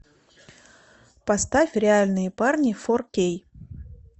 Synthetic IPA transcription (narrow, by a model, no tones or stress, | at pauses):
pɐst̪afʲɾʲɪalʲnɨjəparnʲɪforkʲej